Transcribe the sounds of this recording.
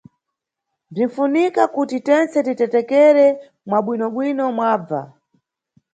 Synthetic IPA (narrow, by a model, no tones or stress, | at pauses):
b͡ʐin̩funikakutitɛnt͡sɛtitɛtɛkɛɾɛ | mwaɓwinɔɓwinɔmwaːb͡va̰